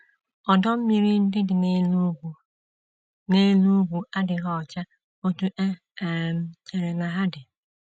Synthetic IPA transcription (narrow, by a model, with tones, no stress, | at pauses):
ɔ˨dɔ˦m̩˦mi˨ɾi˦n̩˦dɪ˦dɪ˨˦˨ | ne˦lu˦ɡʷu˨ʔa˦dɪ˨ɣɔ˦˨t͡ʃa˦ | o˦tu˦ʔe˦˨ | m̩˦e˨ɾe˨na˨ɦa˦dɪ˨